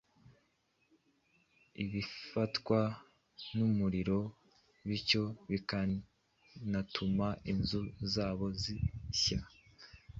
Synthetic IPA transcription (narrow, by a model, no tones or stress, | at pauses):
iβifatkwa | numuɾiɾo̞ | βico̞βika | natʰumaʔinzuzaːβo̞ziɕa